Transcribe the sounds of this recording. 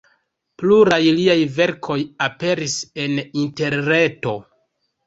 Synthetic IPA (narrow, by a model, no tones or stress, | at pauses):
pluɾajliajve̞ɾkʰo̞jape̞ɾise̞ninte̞ɾne̞to̞